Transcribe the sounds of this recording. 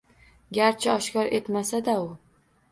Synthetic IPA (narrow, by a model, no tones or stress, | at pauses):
ɡʲaɾt͡ʃʰɪɒʃkʲɒɾe̞t̪masad̪aʊ